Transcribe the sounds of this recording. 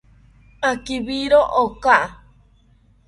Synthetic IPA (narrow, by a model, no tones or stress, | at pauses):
akiβiɾoʔokaʔa